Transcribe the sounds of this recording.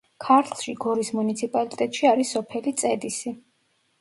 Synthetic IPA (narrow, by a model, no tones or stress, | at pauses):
kʰaɾt̪ʰlˠʃiɡɔɾismunit̪sʰipʼalit̪ʼɛt̪ʼʃiaɾisɔpʰɛlit̪sʼɛd̪isi